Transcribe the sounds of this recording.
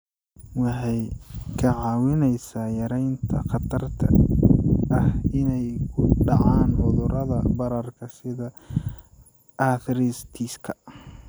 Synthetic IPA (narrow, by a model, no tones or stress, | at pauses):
wɑħɑjkʰɐʕɑːwɪnɛjsaːjɐɾɛjnt̪ʰɐqɑt̪ʰɐrt̪ʰɐ̰ | ɐhɪnɛjkʰʊɖɑʕɑːnwɔðʊɾɐðɐbɐɾɐrkʰɐsɪðɐ | ʔaθɾist̪ʰiːskʰɐ